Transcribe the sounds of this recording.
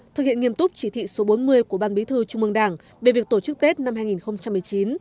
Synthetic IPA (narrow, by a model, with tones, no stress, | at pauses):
t̪ɨ˨˩k̚hḭ˧˨ənŋi˧əmt̪ʊ˦˥k͡p̚t͡ɕi˧˩t̪ʰḭ˧˨so˨˦ɓo˨˦nmɨ˧əjku˧˩əɓaː˧nɓi˨˦t̪ʰɨ˧t͡ɕʊ˧ŋ͡mmɨ˧əŋɗaː˧˩ŋ | ve˨˩vi˨˩ək̚t̪o˧˩t͡ɕɨ˦˥k̚t̪e˦˥t̚na˧mhaː˧jŋi˨˩nxə˧wŋ͡mt͡ɕa˧mːɨ˨˩əjt͡ɕi˨˦n